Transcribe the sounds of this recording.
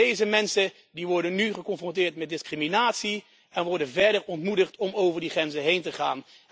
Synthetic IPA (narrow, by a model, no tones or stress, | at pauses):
ejzəmɛnsə | diʋɔɹdənːyχəkɔnfrɔ̃ntɪːɹtmɛt̚dɪskriminaːtsi | ɛnʋɔɹdənvɛɹdəɹɔntmudəχtɔmowvəɹdiχrɛnzəɦejntəχa̰ːn